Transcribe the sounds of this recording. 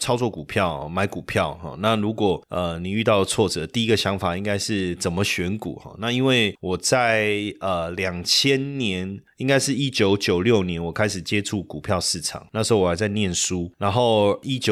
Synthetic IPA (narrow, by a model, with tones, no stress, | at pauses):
t͡sʰɑ˥ʊt͡swɔ˥˩ku˨˩pʰjɑ˥˨ʊ˩ma˧˥ɪku˨˩pʰjɑ˥˨ʊxɔ̰˨˩na˥˨ɻu˧˥kwɔ˨˩ə˧ni˨˩y˥˧t̪ɑ˥˩ʊd̪ət͡sʰwɔ˥˩t͡sɤ˨˩t̪i˥˩i˦˥ɡə˨ɕjɑ˧˥ŋfa˨˩i˦˥ŋɡa˥ɪʂɻ̩˥˩t͡sə˨˩nmə˦ɕɥɛ˧˥nkṵ˨˩˦xɔ̰˥˩na˥˧i˦˥nwe˥˩ɪwɔ˨˩t͡sa˥˩ɪə˩ljɑ˨˩ŋt͡ɕʰjɛ˥nnjɛ˧˦ni˥ŋɡa˥ɪʂɻ̩˥˩i˦˥t͡ɕjo˧˥ʊt͡ɕjo˨˩ʊljo˥˩ʊnjɛ˧˦nwɔ˨˩kʰa˥ɪʂɻ̩˨˩t͡ɕjɛ˦˥ʈ͡ʂʰu˥˩ku˨˩pʰjɑ˥˧ʊʂɻ̩˥˩ʈ͡ʂʰɑ̰˨˩ŋna˥˩ʂ̩˧˦˥o˥˧wa˧˥ɪt͡sa˥˧ɪnjɛ˥˨nsu˦na˧˥nxo˥˩ʊi˦˥t͡ɕjo˨